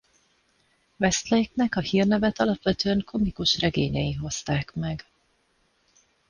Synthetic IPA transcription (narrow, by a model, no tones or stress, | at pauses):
vɛst̪lɛjiknɛkɒhiːrnɛvɛt̪ɒlɒpʋɛt̪øɛŋkʰo̞mikuʃrɛɡeːɲɛjiɦo̞st̪aːkmɛɡ